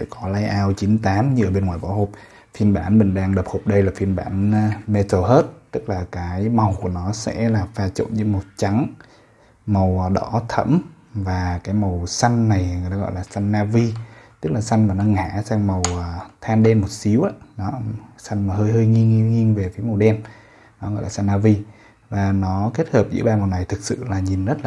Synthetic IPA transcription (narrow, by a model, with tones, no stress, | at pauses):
kɔ˨˦la˧jʔaː˧wt͡ɕi˨˦nt̪aː˨˦mɲɨ˧ʔəː˧˩ɓe˧nŋwaː˧˨jɓa̰ː˧˦who˨˩p̚ | fi˧˩ənɓaː˧˩nɓï˨˩ŋ̟ɗaː˧ŋɗə˨˩p̚ho˨˩p̚ɗə˧jlaː˨˩fi˧˩ənɓaː˧˩n˧me˧t̪ʰo˧˩ɦe˦˥t̚t̪ɨ˦˥k̚laː˨˩kaː˨˦jma˨˩wku˧˩ənɔ˨˦sɛ̰˧˥laː˨˩vaː˧t͡ɕo̰˧˨nzɨ˧˦mo˨˩t̚t͡ɕa˨˦ŋ | mə˨˩wɗɔ˧˩˦t̪ʰə̰˧˥m | vaː˨˩kaː˨˦jmə˨˩wsa˧jŋ̟na˨˩jŋ˨˩əaː˧ɣɔ̰˧˨jlaː˨˩sa˧jŋ̟ːaː˧vi˧t̪ɨ˦˥k̚laː˨˩sa˧jŋ̟maː˨˩nɔ˨˦ŋa̰ː˧˩˨saː˧ŋmə˨˩wəː˨˩t̪ʰaː˧nɗe˧nmo˨˩t̚si˨˦əwʔaː˨˦nɔ˨˦sa˧jŋ̟maː˨˩ɦəː˧jɦəː˧jŋi˧ŋi˧ŋi˧əŋve˨˩fi˨˦ma˨˩wɗɛ˧n | nɔ˨˦ɣɔ̰˧˨jlaː˨˩sa˧nːaː˧vi˧ | vaː˨˩nɔ˨˦ke˦˥t̚həː˨˩p̚zɨ̰˧˥˦ɓaː˧ma˨˩wna˨˩jt̪ʰɨ˨˩k̚sɨ̰˧˨laː˨˩ɲi˨˩nzə˦˥t̚la˨˩